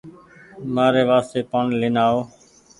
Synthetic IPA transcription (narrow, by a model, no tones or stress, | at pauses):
maːɾeːʋaːst̪eːpaːɳlɪːnaːoː